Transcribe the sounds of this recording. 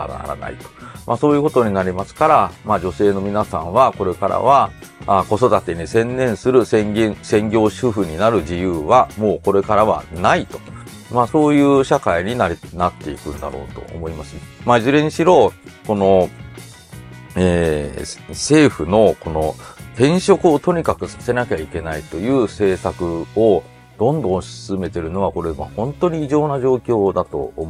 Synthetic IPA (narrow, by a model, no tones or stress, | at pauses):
a̰na̰ɾa̰na̰ḭt̪o̞̥mʔa̰ːso̞ːjɯ̟ːkot̪o̞ɲ̟inaɾʲimasɨ̥kaɾamaːd͡ʑo̞se̞ːno̞mʲinasãɰ̃βako̞ɾe̞ka̰ɾa̰βaako̞so̞d̪at̪e̞ɲ̟isẽ̞nːẽ̞ɰ̃sɨɾɯ̟sẽŋɡʲẽɰsẽ̞ŋɡʲo̞ːɕɯɸɯ̟ɲ̟inaɾɯ̟ʑijɯ̟ːβamo̞ːko̞ɾe̞kaɾaβa̰nait̪o̞̥ | maːso̞ːjɯ̟ːɕakaiɲ̟inanat̪ːe̞ikɯ̟̃nd̪a̰ɾo̞̰ːt̪o̞̰ʔo̰mo̞imasɨ̥mazɨɾẽ̞ɲiɕiɾo̞ːko̞no̞ | eː | se̞ːɸɯ̟no̞ko̞no̞t̪ẽ̞ɰ̃ɕo̞kɯ̟ot̪o̞ɲ̟ikakɯ̟sḁse̞nakʲeaike̞nait̪o̞jɯ̟ːse̞ːsakɯ̟o | d̪̥õ̞nd̪õ̞ɕi̥sɨme̞t̪e̞ɾɯ̟no̞βako̞ɾe̞mahõ̞nt̪o̞ɲ̟iːʑo̞ːnaʑo̞ːkʲo̞ːd̪at̪o̞̰ːm